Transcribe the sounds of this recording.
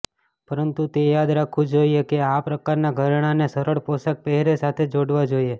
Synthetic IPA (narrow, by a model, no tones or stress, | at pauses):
pəɾənt̪ut̪ejad̪ɾakʰũd͡ʒoiekeapɾəkaɾnaɡʱəɾɳ̃anesəɾəɭpɔsak̚pɛɦɾesat̪ʰed͡ʒoɽʋad͡ʒoie